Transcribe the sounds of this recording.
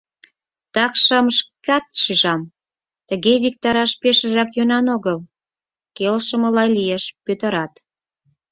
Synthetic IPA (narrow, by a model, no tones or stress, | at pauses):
t̪ɑkʃəmʃkɑt̪ʃiʒɑm | t̪əɣeβik̚t̪ɑɾɑʃpeʃə̆ʒɑkjønɑnoɣəl | kelʃə̆mə̆lɑjlieʃpøt̪əɾɑt̪